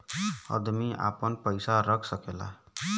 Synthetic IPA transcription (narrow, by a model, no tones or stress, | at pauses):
ə̰d̪miʔa̰pənpəɪsaɾəkʰsəkela̰ɦ